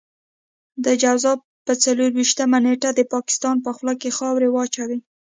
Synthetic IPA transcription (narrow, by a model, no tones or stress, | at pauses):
d̪əd͡ʒawzɑ | pət͡saloɾwiʃt̪amaneʈad̪əpɑkɪ̥st̪ɑnpəxlɑkexɑwɾewɑt͡ʃawi